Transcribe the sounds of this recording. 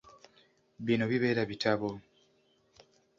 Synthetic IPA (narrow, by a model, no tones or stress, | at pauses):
βino̞βiβe̞ːɾaβitʰaβo̞